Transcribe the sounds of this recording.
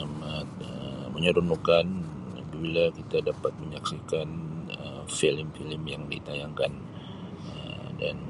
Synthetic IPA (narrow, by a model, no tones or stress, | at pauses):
amat̪̚əməɲəɾunukan | bibilakit̪adapat̪̚məɲaksikanə̰mfiləmfiləmjaŋdḭt̪ajaŋkan | ə̰mda̰n